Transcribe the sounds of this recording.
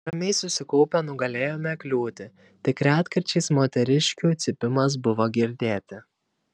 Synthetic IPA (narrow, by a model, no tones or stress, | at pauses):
ɾɐmʲɛɪsʊsʲɪkɔʊpʲɛnʊɡɐlʲeːjoːmʲɛklʲuːt̪ʲɪ | t̪ʲɪkɾʲæːt̪kɐɾʲt͡ʃʲɛɪsmoːt̪ʲɛɾʲɪʃʲkʲuːt̪sʲɪpʲɪmɐs̬bʊʋoːɡʲɪɾʲd̪ʲeːt̪ʲɪ